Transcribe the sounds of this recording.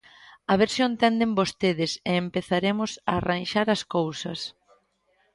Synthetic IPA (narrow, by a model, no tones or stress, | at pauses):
ɐβeɾsjont̪ɛnd̪ɪmbost̪eðɪseːmpeθaɾemʊsaːranʃaɾɐskowsɐ̰s